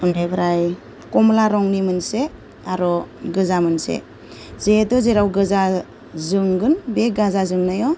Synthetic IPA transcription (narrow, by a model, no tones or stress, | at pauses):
undajbɾaj | kɔmlaɾɔŋnimɯnse | aɾɔɡɯzamɯnsḛ | zeetɔzeɾawɡɯza | zɯŋɡɯnbeɡazazɯŋnajɔ